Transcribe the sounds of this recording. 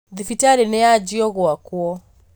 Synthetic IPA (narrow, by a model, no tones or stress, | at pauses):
ðifitaɾinɛad͡ʒiɔɣwakwɔ